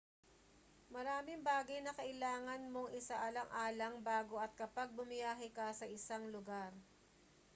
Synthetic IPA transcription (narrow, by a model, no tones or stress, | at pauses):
mɐɾaːmɪŋbaːɡɐjnɐkɐʔɪlaːŋɐnmo̞ŋʔɪsaʔɐlɐŋʔaːlɐŋbaːɡo̞ʔɐt̪̚kɐpaɡ̚bʊmɪjaːɦɪkɐsɐʔɪsaŋlʊɡaɾ